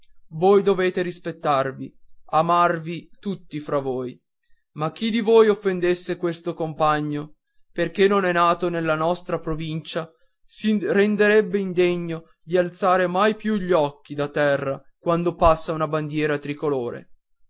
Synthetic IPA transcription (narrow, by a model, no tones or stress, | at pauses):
voːjd̪oveːt̪eɾispet̪ːarviamarvit̪ut̪ːifɾavoːj | mak̟ːid̪ivoːjofːend̪esːekwest̪okompaɲːo | perk̟enːonɛnaːt̪onelːanɔst̪ɾapɾovint͡ʃa | sirend̪eɾɛbːeind̪eɲːo | d̪ialt̪saːɾemajpjuʎːɔk̟ːid̪at̪ːɛrːakwand̪opasːaunaband̪jɛːɾat̪ɾikoloːɾḛ